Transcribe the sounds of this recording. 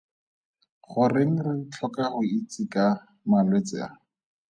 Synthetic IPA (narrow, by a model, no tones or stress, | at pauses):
χʊrɪŋ̩rɪt͡ɬʰɔkaχʊit͡sɪka | malwet͡sɪ̰a̰